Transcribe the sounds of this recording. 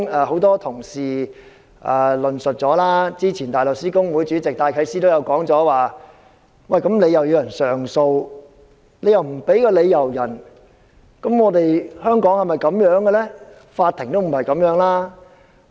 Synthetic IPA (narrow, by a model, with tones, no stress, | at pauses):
ɛː˨ho˨˥wt̪ɔː˥t̪ʰʊ˨˩ŋsiː˨ | ʔɛ̰ː˨˩lɵ˨nsɵ˨t̚t͡sɔː˨˥laː˥t͡siː˥t͡sʰiː˨˩nt̪aː˨˩lo˨k̚siː˥kʊ˥ŋwuː˨˥jt͡ʃyː˨˥t͡sɪ˨k̚t̪aː˧jkʰɐ˨˧jsiː˥t̪o˥wjɐ˨˧wkɔː˨˥ŋt͡sɔː˨˥waː˨˩ | wɐ˨jkɐ˨˥mle˨˧jɐ˨wjiː˨˧jɐ˨˩nsœː˨˩ŋso˧w | le˨˧jɐ˨wm̩˨˩pe˨˥jkɔː˧le˨˧jjɐ˨˩wjɐ˨˩n | kɐ˨˥mŋɔː˨˧t̪e˨jhœː˥ŋkɔː˨˥ŋhɐ˨˩jmɐ˨˩jkɐ˨˧˥mjœː˨˥ŋɡɛ˧lɛː˥ | faː˧t̪ʰːɪ˨˩ŋt̪o˥wm̩˨˩hɐ˨jkɐ˨˧˥mjœː˨˥ŋlaː˥